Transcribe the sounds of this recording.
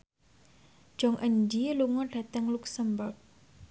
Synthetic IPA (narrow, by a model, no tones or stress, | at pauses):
d͡ʒ̥ɔŋʔənd͡ʒiluŋɔɖ̥ä̤t̪əŋluksəmburɡ̚